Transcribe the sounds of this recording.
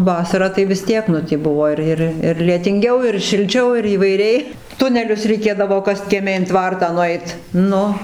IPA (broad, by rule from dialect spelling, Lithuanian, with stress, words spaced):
ˈʋɑːsɐrɑː tɐɪ ʋʲɪs ˈtʲiɛk nʊ tʲiː ˈbʊʋoː ɪr ˈɪr ɪr lʲiɛtʲɪŋʲˈɡʲɛʊ ɪr ʃʲɪlʲˈt͡ʃʲɛʊ iːʋɐɪˈrʲɛɪ ˈtʊnʲɛlʲʊs rʲɛɪˈkʲeːdɐʋoː ˈkɐst kʲiɛˈmʲɛ ɪn ˈtʋɐrtɑː nʊˈɛɪt ˈnʊ